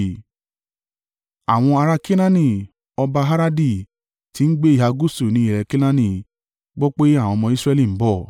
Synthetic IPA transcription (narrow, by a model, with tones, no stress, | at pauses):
a̰˨w̃ɔ̃˧a˧ɾa˧ki˦nã˦nĩ˧˨ | ɔ˧ba˧ɦa˦ɾa˦di˦˧˨ | ti˨˦n̩˦ɡ͡be˦i˦˨ɦa˧ɡu˦su˦˨nĩ˨˦i˦˨ɾɛ˧ki˦nã˦nĩ˦˨ | ɡ͡bɔ˦k͡pe˦a˦˨w̃ɔ̃˧mɔ̃˧i˦sɾɛ˦li˦˨m̩˦bɔ˦˨